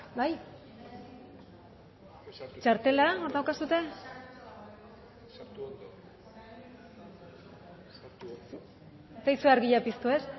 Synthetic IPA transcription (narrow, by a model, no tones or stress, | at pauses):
baj | t͡ʃaɾt̪e̞laoɾdðawkasut̪e̞ | et̪ajsuaɾɣiʎapist̪ue̞s